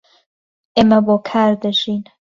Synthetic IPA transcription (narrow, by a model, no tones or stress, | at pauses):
ʔeːmɐboːkʰaːɾd̪ɐʒiːn